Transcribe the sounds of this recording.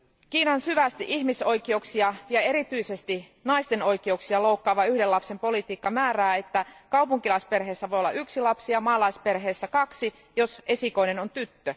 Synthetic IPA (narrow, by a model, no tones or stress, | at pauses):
kiːnɑnsyʋæst̪iʔihmiso̞jkioksiɑjɑe̞ɾit̪yisest̪i | nɑist̪e̞no̞jkiouksiɑloukːɑːʋɑyhdelɑpse̞mpo̞lit̪iːkːɑmæːræːet̪ːækɑwpuŋkilɑispe̞rɦeːsːæʋojolːɑ̰ʔyksilɑpsiɑmɑːlɑispe̞rɦeːsːækɑksi | jo̞se̞siko̞jne̞nont̪yt̪ːø